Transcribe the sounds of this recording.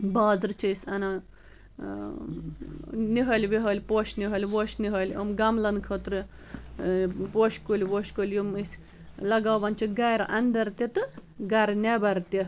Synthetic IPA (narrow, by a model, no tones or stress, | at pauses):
baːzɾt͡ʃʰisʲɐna | niɦɐlʲʋiɦɐlʲpoːʃniɦɐlʲʋoʃniɦɐlʲomɡɐmlɐnkʰot̪ɾɨ | poːʃkulʲʋoːʃkulʲjumisʲ | lɐɡaːʋɐnt͡ʃʰiɡɐɾʔɐnd̪ɐɾt̪ʲit̪ɨɡɐɾnʲebɐɾt̪i